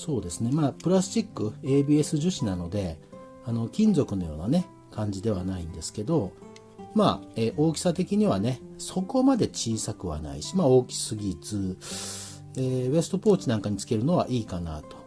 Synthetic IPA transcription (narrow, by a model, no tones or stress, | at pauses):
so̞ːd̪e̞sɨne̞maːpɯ̟ɾast͡ɕikːɯ̟e̞ːbʲiːe̞sɨʑɨɕinano̞d̪e̞ | ano̞kʲĩɲzo̞kɯ̟no̞jo̞̰ːnane̞ | kãɲ̟d͡ʑid̪e̞β̞anaĩnd̪e̞sɨ̥ke̞d̪o̞ | maːeːʔo̞ːkʲi̥sat̪e̞kʲiɲ̟iβane̞so̞ko̞mad̪e̞t͡ɕiːsakɯ̟βa̰na̰ḭɕi̥mao̞ːkʲi̥sɨɡʲit͡sɨ | eːβe̞sɨ̥t̪o̞po̞ːt͡ɕinãŋkaɲ̟it͡sɨ̥ke̞ɾɯ̟no̞βa̰ʔiːkana̰t̪o̞̥